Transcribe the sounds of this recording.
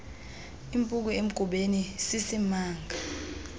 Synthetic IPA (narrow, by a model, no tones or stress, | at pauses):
impʼuk̬uem̩ɡ̥ʱuɓenisisimaːŋɡʱa